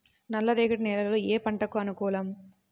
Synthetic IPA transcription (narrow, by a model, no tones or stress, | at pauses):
nɐlːɐɾeːkɐʈnɛːlɐlɐloːeːpɐɳʈɐkuɐnukɔːlɐm